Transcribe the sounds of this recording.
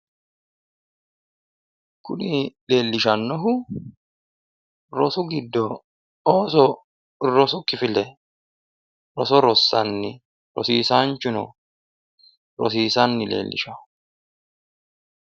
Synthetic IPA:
kʊnɪleːlːɪʃɐnːɔɦʊ | ɾɔsʊɡɪd̪ːɔ | ɔsɔ | ɾɔsʊkʼːɪfɪlɛ | ɾɔsɔɾɔsːɐnːɪ | ɾɔ̰siːsaːnt͡ʃʊnɔ̰ | ɾɔ̰s̬iːsɐnːɪlḛːlːɪ̰ʃɐʊ̥

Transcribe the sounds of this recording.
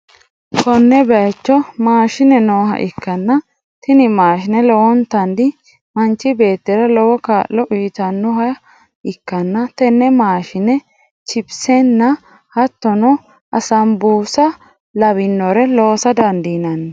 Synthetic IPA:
kɔnːɛbɛjɐt͡ʃːɔmaːʃɪnɛnoːɦɐ̰ʔɪkːɐnːɐ | t̪ɪnɪmaːʃɪnɛlɔwɔnt̪ɐnd̪ɪ | mɐnt͡ʃːɪbe̞ːt̪ːɛɾɐlɔwɔkaːʔːɔʔiːt̪ɐnːɔhɐ | ɪkːɐnːɐt̪ɛnːɛmaːʃɪnɛ | t͡ʃɪbsɛnːɐ | hɐt̪ːɔnɔ | ʔɐsɐmbuːsɐ | lɐβɪnːɔɾɛloːsɐd̪ɐnd̪iːnɐnːɛ

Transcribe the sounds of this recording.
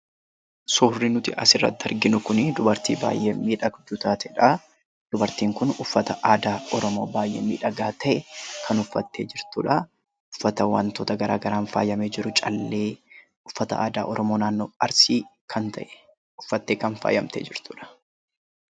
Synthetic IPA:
soːrːinʊt̪ɪɐ̰sɪrːɐ̰t̪ːɐɾɡɪnʊkʊnɪd̪ʊbɐɾt̪ḭːba̰ːjʔeːmiːᶑɐɡd͡ʒ̪ʊt̪aːt̪ɛᶑɐ | d̪̥ʊbɐɾt̪iːŋkʊnʊfːɐt̪ɐʔaːd̪aːʔɔɾɔmoːbaːjʔeːmḭːᶑɐɡaːt̪ʰɐʔɛkʰɐnʊfːɐt̪ːḛːd͡ʒɪɾt̪uːᶑɐ | ʊfːɐt̪ɐwɐ̰nt̪oːt̪ɐɡɐɾa̰ːɡɐɾaːnfa̰ːjɐmeːd͡ʒɪɾʊt͡ʃʼɐlːe̞ː | ʊfːɐt̪ɐʔaːd̪aːʔɔɾɔmoːnaːnːoːɐɾsiː | kʰɐnt̪ɐ̰ʔɛ̥ | ʊfːɐt̪ːeːkɐnfa̰ːjɐmt̪ḛːd͡ʒɪɾt̪uːᶑɐ̥

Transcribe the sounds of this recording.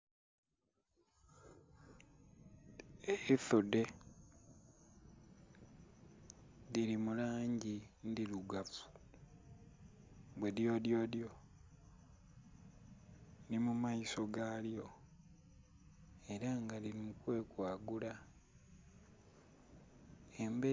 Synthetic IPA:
eiθude̞ | ðiɾimulaːɲɟindiluɡafu̥ | βwe̞djo̞ːdjo̞djo̞ | nimumaiso̞ɡaːljo̞ | e̞ɾaŋɡaliɾimukwe̞ːkwaːɡula | embe

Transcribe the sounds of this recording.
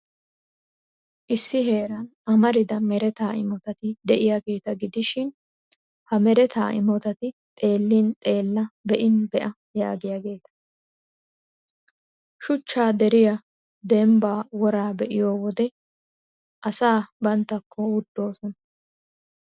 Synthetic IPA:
ʔɪsːɪɦe̞ːɾɐnʔɐmɐɾɪd̪ɐmɛɾɛt̪aːɪ̰mɔt̪ɐt̪ɪd̪ɛʔɪjaːɡe̞ːt̪ɐɡɪd̪ɪʃɪn | hɐmɛɾɛt̪ʰa̰ːʔɪ̰mɔt̪ɐt̪ɪt̪ʼe̞ːlːint̪ʼe̞ːlːɐbɛʔɪnbɛʔɐ | jaːɡɪjaːɡe̞ːt̪ɐ̥ | ʃʊt͡ʃːaːd̪ɛɾɪjɐ | d̪ɛmbaːwɔɾaːbɛʔɪjoːwɔd̪ɛ | ʔɐsaːbɐnt̪ːɐkʰːɔwʊd̪ːo̞ːsɔnɐ

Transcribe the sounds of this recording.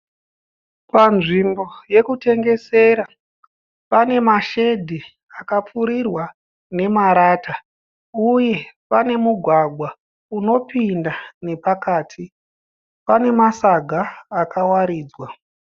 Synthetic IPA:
panʐimbo̞je̞kute̞ŋɡe̞se̞ɾa | pane̞maʃe̞dʱi | akap͡fuɾirwa | ne̞maɾaːta | uje̞pane̞muɡʱwaɡʱwa | uno̞pindane̞pakaːtʰi | pane̞masaɡʱaːkawaɾiːd͡zwa

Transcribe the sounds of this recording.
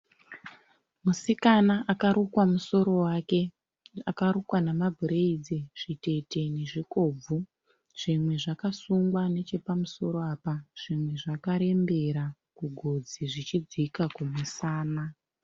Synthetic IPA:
musikanaʔakaɾukwamuso̞ɾo̞wake̞ | akaɾukwanamabʱuɾeid͡zeʐ̥ite̞te̞ne̞ʐiko̞ːb͡vu | ʐ̥imwe̞ʐakasuŋɡwane̞t͡ʃe̞pamuso̞ɾo̞aːpaʐ̥imwe̞ʐakaɾe̞mbe̞ɾa | kuɡʱo̞d͡ziʐit͡ʃid͡zikakumusaːna

